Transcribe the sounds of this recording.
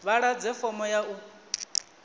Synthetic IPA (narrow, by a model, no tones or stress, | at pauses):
βaɺad͡zɛfɔmɔjaʔu